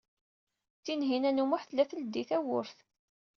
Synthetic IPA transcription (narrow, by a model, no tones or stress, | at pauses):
t͡sːinɦinænumʊħθlæθəld̪iθæwʊ̰ɾθ